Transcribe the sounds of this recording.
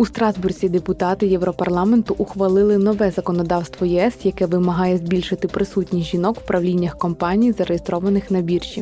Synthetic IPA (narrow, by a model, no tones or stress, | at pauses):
ust̪ɾɑzburzʲid̪epʊt̪ɑt̪ɪjɛwɾɔpɐrlˠɑment̪ʊʔʊxʋɐlˠɪlˠɪnɔʋɛzɐkɔnɔd̪ɑwst̪ʋɔjɛɛsjɐkɛʋɪmɐɦɑjɛzʲbʲilʲʃɪt̪ɪpɾɪsutʲnʲijʒinɔkw̥pɾʔɐʋlʲinʲːɐxkɔmpɑnʲijzɐɾejest̪ɾɔʋɐnɪxnɐbʲirʃʲi